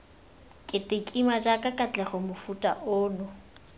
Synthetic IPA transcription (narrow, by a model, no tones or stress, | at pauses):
kʼɪtʼekʼimad͡ʒakʼakʼat͡ɬʼɛχɔmʊfutʼa̰ʔʊːnʊ